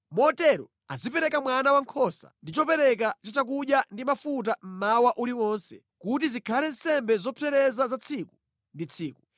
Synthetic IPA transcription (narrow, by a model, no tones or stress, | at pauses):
mɔtɛɾɔ̰ | azipɛɾɛkamwanawaŋkʰɔsa̰ndit͡ʃɔpɛɾɛk̬at͡ʃat͡ʃakuɗjandimafut̬am̩mawaʔuliwɔnsɛ | kut̬izikʰalɛn̩sɛmbɛzɔpʰɛɾɛzazat͡sʰiku̥ | ndit͡sʰiːku